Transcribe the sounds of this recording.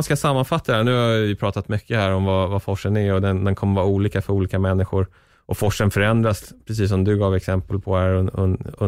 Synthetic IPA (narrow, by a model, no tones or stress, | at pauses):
nskasamːanfat̪ːad̪ɛnʉhaɪpʰɾɑːt̪at̪mʏkʰːəhæːɾɔmvavafɔʂːənɛɔd̪ɛnd̪ɛnkʰɔmːəɾvɑːuːliːkafœɾuːliːkamɛnːɪɧʊɾ | ʔɔfɔʂːənfœɾɛnd̪ɾaspʰɾɛs̬iːs̬ɔmd̪ɵɡɑːvɛksɛmpəlpʰɔæɾ̰